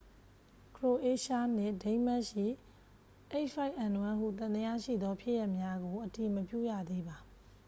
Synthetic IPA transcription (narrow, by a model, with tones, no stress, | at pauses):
kʰɹo˨ʔe˦ʃa˦n̥ɪ̃˦˨dẽ˦ɪ̃mɛ˦ʔʃḭ˦˨ | ʔe˦ʔfa˦ɪʔã˨n˨ɛ̃˦ɦṵ˦˨t̪ã˨ndəja˦ʃḭ˦˨d̪ɔ˦pʰjɪ˦ʔja˦ʔmja˦ɡo˨ʔəti˨məpjṵ˦˨jä̰˦˨d̪e˦ba˨